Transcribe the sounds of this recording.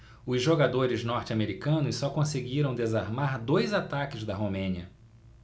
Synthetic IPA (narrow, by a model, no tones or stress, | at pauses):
ʊzʒoɡad̪oɾɪznɔɾt͡ʃɪameɾikɐ̃nʊsːɔkõseɡiɾɐ̃w̃d̪ezaɾmaɾd̪ojzat̪akɪzd̪ɐɦomẽniɐ